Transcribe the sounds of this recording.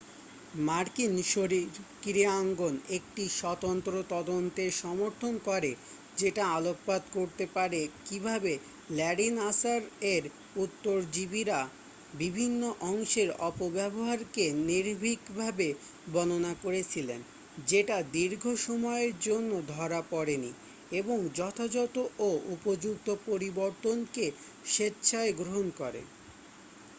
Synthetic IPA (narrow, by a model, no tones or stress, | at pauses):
maɾkinʃoɾiɾkiɾiaŋɡonek̚ʈiʃɔt̪ont̪ɾot̪ɔd̪ont̪eʃɔmoɾt̪ʰonkɔɾe | d͡ʑeʈaalok̚pad̪koɾt̪epaɾekibʱabe | lɛɖinasaɾeɾ | ut̪ːoɾd͡ʑibiɾa | bibʱinːoʔɔŋʃeɾɔpobɛboɦaɾkeniɾbʱikbʱabe | bɔnonakoɾet͡ɕʰilen | d͡ʑeʈad̪iɾɡʱoʃɔmɔeeɾd͡ʑonːod̪ʱɔɾapɔɾeni | eboŋd͡ʑɔt̪ʰad͡ʑɔt̪oʔoʔupod͡ʑuk̚t̪opoɾiboɾt̪onke | ʃetːɕʰaeɡɾoɦonkɔɾḛ